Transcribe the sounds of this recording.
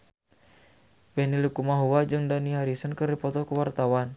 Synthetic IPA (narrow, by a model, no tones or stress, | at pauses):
bɛnilikumaɦuwad͡ʒɨŋdaniaɾisənkɨrdipɔt̪ɔkuwart̪awan